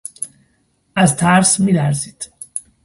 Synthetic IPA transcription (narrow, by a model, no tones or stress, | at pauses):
æzt̪ʰæɾsmilæɾzid̪̥